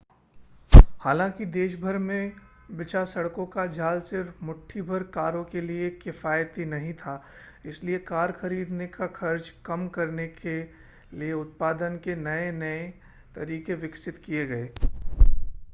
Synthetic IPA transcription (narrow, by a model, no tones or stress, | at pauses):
haːlãːkid̪eːʃ̬bʱɐɾmẽ | bɪt͡ʃasɐɽkõkad͡ʒʱaːlsɪɾmʊʈʰːibʱɐɾkaːɾõkeliekɪfaːjt̪inɐɦĩt̪ʰa | ɪsliekaːɾxɐɾiːd̪nekaxʰɐɾt͡ʃkɐmkɐɾneke | lieʊt̪̚paːd̪ənkenɐenɐe | t̪ɐɾiːkeʋɪksɪt̪kijeɡɐeː